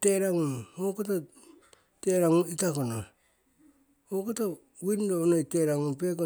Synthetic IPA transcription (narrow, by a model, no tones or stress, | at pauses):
teɾaŋuokota | teɾaŋuitakono | okota | windonoiteɾaŋupek̬o